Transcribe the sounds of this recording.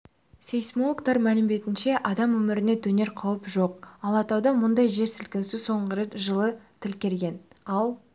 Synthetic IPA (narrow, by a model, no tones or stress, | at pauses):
sʲejsmo̞lˠkt̪ɑɾmælɪmd̪e̞t̪ɪnʃe̞ʔɑd̪ɑmwɵmɪɾɪne̞t̪ʰɵne̞ɾqʰɑwəpʒo̞q̚ɑlˠɑt̪ɑwd̪ɑmʊnd̪ɑjʒe̞ɾsɪlkʲɪnsɪso̞ɴʁəɾet̪ʒəlˠət̪ʰɪlkʲe̞lɡʲe̞nɑlˠ